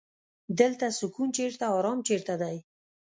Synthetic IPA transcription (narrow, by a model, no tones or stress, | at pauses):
d̪əlt̪asʊkunt͡ʃeɾt̪aɑɾɑmt͡ʃeɾt̪ad̪aj